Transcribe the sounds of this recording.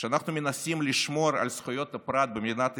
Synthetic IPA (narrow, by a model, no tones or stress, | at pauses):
ʃeanaχnumʲenasʲimlʲiʃmoɾa̰lʲsχʊjo̞t̪ːɐpɾat̪̚bemʲid̪nat̪